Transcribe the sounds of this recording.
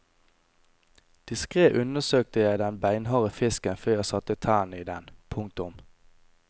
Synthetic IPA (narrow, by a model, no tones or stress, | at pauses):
d̪̥ɪskʁeːʔʉnəsøːk̚t̪əjæɪd̪ɛnbæɪnɦɑːʁəfɪskənføːjæɪsɑt̪ət̪ʰæːɳiːd̪ɛnpʰʊŋk̚t̪ʊm